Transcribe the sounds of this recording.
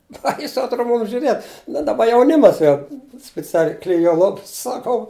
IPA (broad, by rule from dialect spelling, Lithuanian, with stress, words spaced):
ˈbɐɪsʊ ɐtˈroː ˈmuːm ʒʲʊˈrʲeːt bʲɛt ˈdɑːˌbɐ jɛʊˈnʲɪmɐs jɛʊ sʲpʲɪˈt͡sʲæːlʲɛɪ klʲɪˈjuɔ ˈlˠoːps sɐˈkɐʊ